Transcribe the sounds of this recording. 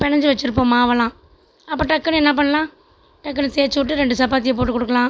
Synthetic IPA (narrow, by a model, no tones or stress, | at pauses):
pɛɳɐɲd͡ʒɯʋɐt͡ʃːɪɾɯp̬ːõːmaːʋɐlãː | ɐpːɐːʈɐkːɐnɛnːɐp̬ɐɳːɐlãː | ʈɐkːɐnɯseːt͡ʃːɯʋɪʈːɯɾɛɳɖɯsɐpaːt̪ɪjɐp̬oːʈːɯkɔɽɯkːɐlãː